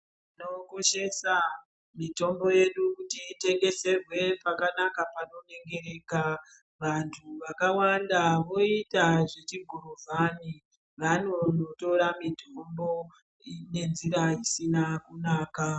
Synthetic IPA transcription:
ino̞ko̞ʃe̞sa | mito̞mbo̞je̞ɗukutiːte̞ŋɡe̞se̞rwe̞pakanakapano̞ne̞ŋɡe̞ɾe̞ːka | ʋantʰuʋakawandaʋo̞itaʐe̞t͡ʃiɡʱuruvʱani | ʋano̞noto̞ɾamitʰo̞mbo̞ | ine̞nziɾaisinakunaːka

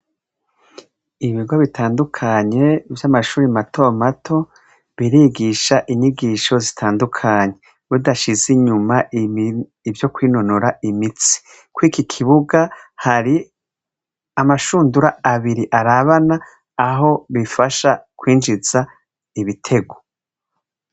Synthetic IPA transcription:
iβiɡwoβitaːndukʰaɲe̞vjamaʃuːɾimatʰomatʰo̞ | βiɾiːɡiʃaʔiɲiɡiːʃo̞zitʰaːndukʰaɲe̞ | βudaʃiziɲuma | ivjo̞kwiːno̞noɾaimit͡si̥ | kwiːkikʰiβuɡahaɾi | amaʃuːnduɾaːβiɾiʔaɾaβanaː | ɦo̞βifaʃakwiːnd͡ʒiz̥a | iβitʰe̞ɡo

